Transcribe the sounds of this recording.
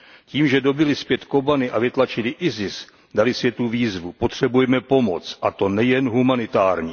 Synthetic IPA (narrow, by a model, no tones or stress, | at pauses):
ciːmʒɛdo̞bɪlɪspjɛt̪ko̞banɪʔavɪt̪lat͡ʃɪlɪʔɪzɪs | dalɪsvjɛt̪uviːzvupo̞t̪r̝̥ɛbujɛmɛpo̞mo̰t͡sʔat̪o̞nɛjɛnɦumanɪt̪aːɾɲiː